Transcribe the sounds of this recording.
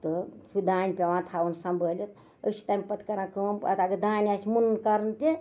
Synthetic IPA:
t̪əsud̪aːnʲpʲeʋãt̪ʰaːwənsãmbʱəlʲet̪ | ət͡ʃʰu̥t̪aːmʲpɐt̪kɐɾãkəːmpɐ̰t̪aɡəd̪aːnʲasʲmunnkɐɾənt̪i

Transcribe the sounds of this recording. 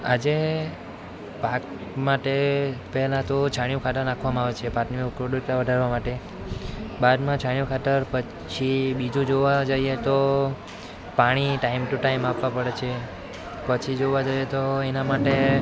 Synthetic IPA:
a̰d͡ʒe | pak | maʈepɛɦɛlãt̪ot͡ʃʰaɳjũkʰat̪əɾnakʰʋamãaʋet͡ʃʰepaʈniukɾoɖəɾʈ̪aʋəɖʱaɾʋamaʈe | bad̪mãt͡ʃʰaɳjũkʰat̪əɾpə | t͡ʃʰibid͡ʒũd͡ʒoʋad͡ʒəiet̪o | paɽ̃iʈaimʈuʈaimapʋãpəɽet͡ʃʰe | pət͡ʃʰid͡ʒoʋad͡ʒəjet̪oenamaʈe

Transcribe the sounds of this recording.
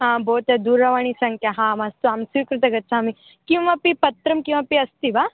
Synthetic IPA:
ɦãboːt̪ad̪uːɾːɐʋaːɳ̃isɐŋkʰjaɦãːmɐst̪uaːmsiːkɾɨt̪ɐɡɐtːsʰaːmi | kĩʋʋɐpipɐt̪ɾɐmkĩʋʋɐpiɐst̪ibaː

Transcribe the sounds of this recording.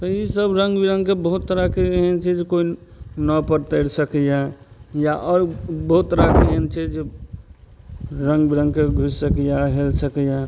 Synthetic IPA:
t̪əjisəbɾə̃ŋɡbiɾə̃ŋɡkebəɦut̪ːəɾakeɦɛnt͡ʃʰɛd͡ʒekoinɔpəɾt̪əɪɾsəkja | jaʔɔɾbəɦut̪t̪ːəɾakeɦɛnt͡ʃʰɛd͡ʒe | ɾə̃ŋɡbiɾə̃ŋɡ̚keɡʱussəkijaɦelsəkja

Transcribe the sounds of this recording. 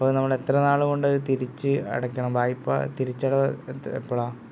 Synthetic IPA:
ɐpːoːɭnɐmːɐɭe̞t̪rɐnaːɭuɣo̞ɳɖɨt̪iɾit͡ɕːɨɐ̰ɽɐkːɐɳɐmbaːjipːɐ̰t̪iɾit͡ɕːɐɽɐḛpːɐɭaː

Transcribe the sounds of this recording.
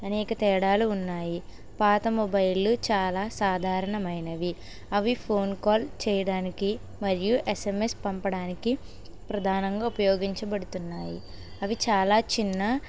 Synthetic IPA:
ɐnɛːkɐt̪ɛːɽaːluːnːaːji | paːt̪ɐmɔbɐjlːut͡ʃaːlaːsaːd̪ʱaːɾɐɳɐmɐjnɐʋi | ɐʋipʰo̞ːnkaːlt͡ʃɛːjɐɽaːniki | mɐɾijuʔesemespɐmpɐɽaːniki | pɾɐd̪ʱaːnɐŋɡaːupɐjoːɡiɲt͡ʃɐbɐɽut̪unːaːjḭɐʋit͡ʃaːlaːt͡ʃinːɐ

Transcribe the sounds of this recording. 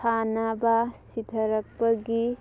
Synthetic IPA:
anabasid̪ʰʱɐɾɐk̚bɐɡi

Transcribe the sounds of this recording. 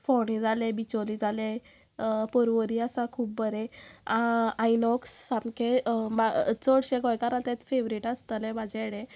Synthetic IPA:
fɔɽ̃id͡zʱalebit͡ɕolid͡zʱale | pɔɾʋəɾiasakʰuːp̚bəɾe | ajnɔksːamkʰebat͡sɔɽɕẽɡɔjkaɾat̪ɛ̃t͡sfeʋɾiʈast̪əlɛbad͡ʑɛɽe

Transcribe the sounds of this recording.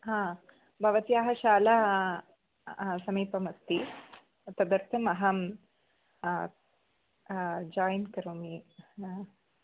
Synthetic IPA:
ɦãː | bʱɐʋɐt̪ijaːɦɐʃaːlɐ | sɐmiːpɐmɐt̪ːi | t̪ɐd̪ɐɾt̪ʰɐmɐɦɐm | d͡ʒaːjnkɐɾumi

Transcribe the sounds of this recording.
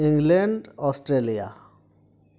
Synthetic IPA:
ĩŋɡleɳɖɔsʈɾelija̰

